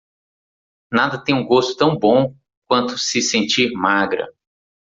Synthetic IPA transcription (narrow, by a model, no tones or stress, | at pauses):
nad̪ɐt̪ẽj̃ũɡost̪ʊ̥t̪ɐ̃w̃bõ | k̚wɐ̃nt̪ʊ̥sɪsẽnt͡ʃiɾmaɡɾɐ̰